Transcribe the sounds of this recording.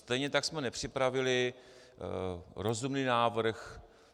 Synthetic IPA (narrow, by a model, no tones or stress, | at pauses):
st̪ɛjɲɛt̪aksmɛnɛpr̝̥ɪpɾavɪlɪ | ɾo̞zumniːnaːvr̩x